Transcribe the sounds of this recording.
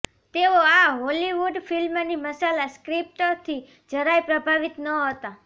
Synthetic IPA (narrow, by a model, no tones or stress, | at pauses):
t̪eoaɦoliʋuɖfilmniməsalaskɾip̚ʈot̪ʰi | d͡ʒəɾajpɾəbʱaʋit̪nəɦət̪a